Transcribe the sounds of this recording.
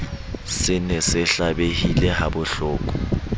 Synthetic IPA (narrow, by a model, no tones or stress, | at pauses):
sɪnɛsɪɬaɓehilɛɦabʊɬɔːk̬ʼu̥